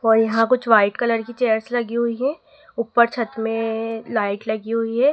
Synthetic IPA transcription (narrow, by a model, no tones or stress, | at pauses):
ɔːɾjɐɦãkʊt͡ʃʰʋaːɪʈkɐləɾkit͡ʃeːəɾslɐɡiɦʊiɦɛː | ʊpːəɾt͡ʃʰɐt̪mẽlaːɪʈlɐɡiɦʊiɦɛː